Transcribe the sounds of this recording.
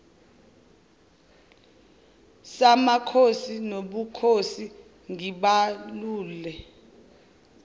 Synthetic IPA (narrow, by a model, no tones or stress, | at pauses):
samakʰosinoɓukʰosi | ŋiɓaluːlɛ